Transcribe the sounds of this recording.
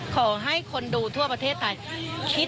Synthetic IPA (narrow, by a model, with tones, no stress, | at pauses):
kʰɔː˩˦ɦa˥˩jkʰo˧nduː˧t̪ʰu˥˩ɐpɾa˧t̪ʰeː˥˩t̪ʰːa˧jkʰi˦˥